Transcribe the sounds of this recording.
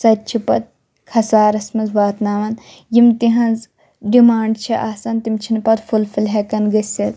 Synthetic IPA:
sɐt̪̚t͡ʃʰipɐt̪̚ | kʰɐsaːɾɐsmɐnzʋaːt̪naːʋɐn | jimt̪iɦɐ̃nz | ɖimaːɳɖt͡ʃʰiʔaːsɐnt̪imt͡ʃʰinpɐt̪fulfilɦɛkɐnɡɐsɐt̪

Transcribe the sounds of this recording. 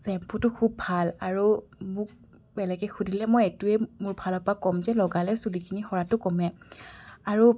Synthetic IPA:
sɛmpʰutʊkʰubʱalaɹumʊk̚ | bɛlɛɡɛxudʱilɛmɔjetuɛmʊɹbʱalɔpakɔmzɛlɔɡalɛsulikʰinixɔɹatʊkɔmɛ | aɹu

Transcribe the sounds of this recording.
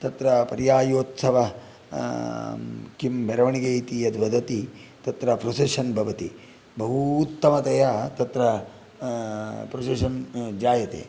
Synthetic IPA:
t̪ɐt̪ɾɐpɐɾjaːjoːt̪sɐʋɐ | kimbeɾɐʋɐɳiɡejt̪iɐd̪ʱʋɐd̪ʱɐt̪it̪ɐt̪ɾɐpɾoseʃɐnbʱɐʋɐt̪i | bɐɦuːt̪ːɐmɐt̪ɐjat̪ɐt̪ɾɐ | pɾoseʃɐnd͡ʒaːjɐt̪ḛː

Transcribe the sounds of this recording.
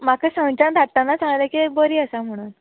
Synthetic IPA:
makəsə̃ŋt͡ɕãnd̪ʱaʈt̪anːat͡sãŋlakibəɾiːəsam̤əɽ̃uːn

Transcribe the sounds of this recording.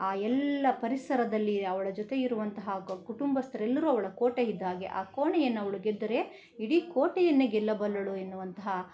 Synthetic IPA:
aːɛlːɐpɐɾisɐɾɐd̪ɐlːiɐʋɐɭɐd͡ʒot̪e̞iɾuʋɐnt̪ɐɦɐkuʈumbɐst̪ɐɾɛlːɐɾuɐʋɐɭɐkoːʈeid̪ːaːɡe̞̰ʔa̰ːkoːɳɛjɐnːɐʋɐɭuɡed̪ːɐɾe̞ | iɽikoːʈɐjɐnːeɡɛlːɐbɐlːɐɭuenːuʋɐnt̪ɐɦɐ

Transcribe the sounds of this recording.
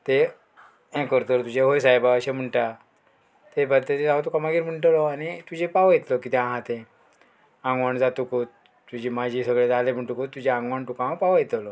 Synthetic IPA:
t̪e | ẽkəɾt̪əɾt̪ud͡ʑeɦojsajbaəɕem̤əɳʈa | t̪ebad̪t̪et̪ed͡zaʋt̪ukamaɡiːɾm̤əɳʈlɔañit̪ud͡ʑepaʋjet̪lɔkit̪ẽãɦãt̪ẽ | ãŋɡʋaɳd͡zat̪ukot̪ | t̪ːud͡ʑimad͡ʑʱiːsəɡɭed͡zalem̤ʱəɳʈukot̪t̪ːud͡ʑeãŋɡʋaɳʈukããpaʋjet̪lɔ

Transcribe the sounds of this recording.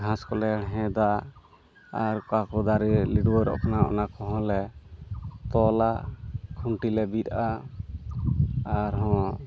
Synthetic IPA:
ɡʱãskɔlɛɽ̃ɛɦɛ̃d̪a | aɾkakɔd̪aɾiliɽwɔɾɔ̰pnaʔɔ̰nakɔɦɔ̃lɛ | t̪ɔlakʰuɳʈilɛbit̪ʔa | aɾɦɔ̃

